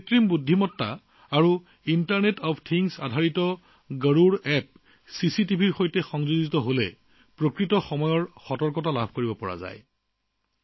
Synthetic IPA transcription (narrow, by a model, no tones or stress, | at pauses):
tɹimbudʱːimɔtːa̰ | aɹu | intaɹnetɔpʰtʰiŋsa̰dʱaɹitɔ | ɡəɹuɹɛp̚ | sisit̬ibʱiɹxojtɛxɔŋzuɡitɔɦolɛ̰ | pɹokɹitɔxɔmɔjɔɹxɔtɔɹkɔt̬alabʱkoɹibɔpɔɹa̰za̰j